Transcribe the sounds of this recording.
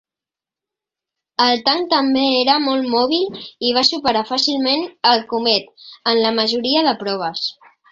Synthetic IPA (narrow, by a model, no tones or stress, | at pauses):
əlˠt̪aŋt̪əmbeeɾəmɔlˠmɔβ̞iliβ̞asupəɾafasilˠmenəlˠkumɛt̪ənləməʒuɾiəðəpɾɔβ̞əs